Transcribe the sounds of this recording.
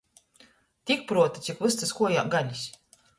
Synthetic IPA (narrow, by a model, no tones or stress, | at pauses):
t̪ʲik̚pɾuɔt̪ɨ̥t̪ikvɨst̪ɨskuɔja̰ːɡalʲisʲ